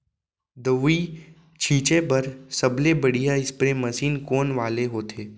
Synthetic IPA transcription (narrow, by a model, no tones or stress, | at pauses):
d̪ɐʋi | t͡ʃʰĩːt͡ʃepɐɾsɐblebɐɽ̤ijaɪspɾemɐsiːnkoːnʋaːleɦoːt̪ʰeː